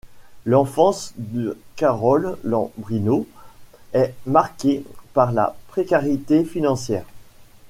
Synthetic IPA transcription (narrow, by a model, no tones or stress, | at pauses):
lɑ̃fɑ̃sd̪əkaʁɔlːɑ̰̃bʁino | ɛmaʁkepaʁla̰pχekaʁit̪efinɑ̃sjɛːʁ